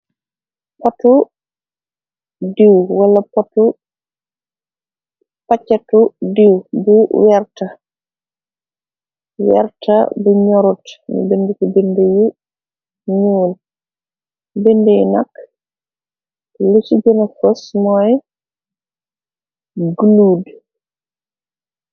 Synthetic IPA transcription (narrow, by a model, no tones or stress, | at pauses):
pɔtu | diwwɐlɐpɔtu | pat͡ʃːɐtudiwbuwɛɾtɐ | wɛ̰ɾtɐ̰buɲɔɾutnṵbendukubinduju | ɲuːl | bendɛnɐk | lusiɟɔnɐfɔsmɔj | ɡuluːd